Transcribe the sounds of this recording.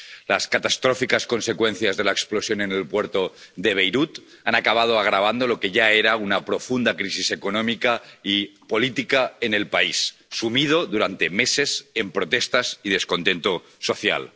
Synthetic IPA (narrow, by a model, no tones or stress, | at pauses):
laskat̪ast̪ɾofikasko̞nse̞kwe̞nθjazðe̞laeksplosjo̞nenelpweɾt̪o̞ðe̞β̞e̞jɾut̪ | anakaβ̞að̞oaɣ̞ɾaβ̞and̪o̞lo̞ke̞ʝaeɾaunapɾo̞fund̪akɾisise̞konõmikaipo̞lit̪ikaene̞lpaisːumið̞o̞ðuɾant̪e̞me̞se̞sempɾo̞t̪e̞st̪asið̞e̞sko̞nt̪e̞nt̪o | so̞θja̰l